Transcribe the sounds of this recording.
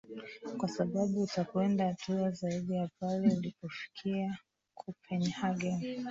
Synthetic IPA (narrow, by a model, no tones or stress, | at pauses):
kwasaɓaɓuːtakwɛndahtuazaiɗijapalɛulipɔfi̥kʰia | kʰupʰɛnhaɡɛn